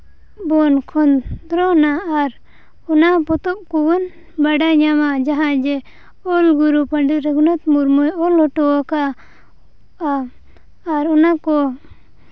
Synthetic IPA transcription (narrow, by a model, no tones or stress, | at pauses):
bɔnkʰɔnd̪ɾɔnaːɾ | ɔnapɔt̪ɔp̚kubɔn | baɖaɲamad͡ʒaɦãd͡ʒɛ | ɔlɡuɾupəɳɖiɾɛɡunat̪muɾmujɔlhɔʈɔɔka | aː | ɾɔnakɔ